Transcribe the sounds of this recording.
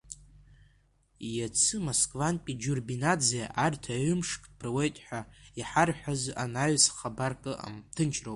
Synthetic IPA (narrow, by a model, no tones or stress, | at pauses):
jat͡sʰɨmoskʼvanpʲʼid͡ʒurbinad͡zijaʔartʰaʕʏmʂkʼpʰrwejtʼħʷᶣaiħarħʷᶣazanaɥsχabarkʼɨa̰mtʰɨnt͡ʃʰrowpʼ